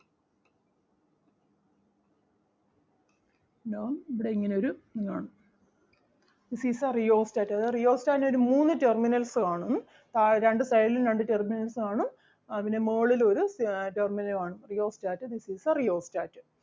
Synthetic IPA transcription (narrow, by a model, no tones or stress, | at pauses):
ɖoːniʋiɽeiŋːɐneo̞ɾuniŋːaːɳu | d̪̥isiːsarijo̞ːstaːtːɐðɨrijo̞ːstaːneoɾumuːnːɨte̞rminɐlsɨkaːɳunːɨ | t̪aɾeɳɖɨsɐjlilɾeɳɖɨterminɐlsɨkaːɳum | ɐðinemeːɭilo̞ɾuterminɐlkaːɳumrijo̞ːstaːtːɨd̪isiːsarijoːstaːtːɨ